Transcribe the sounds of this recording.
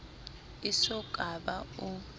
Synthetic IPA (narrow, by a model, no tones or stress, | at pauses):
isɔɡ̥ʼʱaɓau